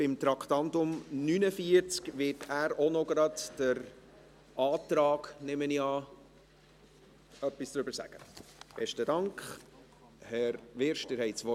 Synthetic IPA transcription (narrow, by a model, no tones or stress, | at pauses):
b̥ɪmt̪ɾɑkt̪ɑnt̪ʊmnynəfiəɾt͡skʋɪtʰæːɾonɔɡɾɑdd̥əɾ | ɑːt̪ɾɑːɡnɪməniɑ | œpːisd̥ɾʏbəɾsæ̰ɡ̥ə̰b̥ɛʃtədɑŋkχ | hɛɾʋɪɾʃtəɾhɛɪtsʋɔ